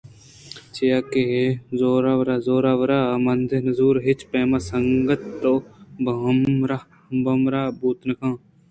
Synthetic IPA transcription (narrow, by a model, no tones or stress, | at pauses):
t͡ʃejaːkeɦezoːɾaːʋəɾaːzoːɾaːʋəɾaːmɐnd̪enəzuːɾɦɪt͡ʃpeːmaːsəŋɡət̪t̪obɐmɾa | bɐmɾaːbuːt̪nəkʰãː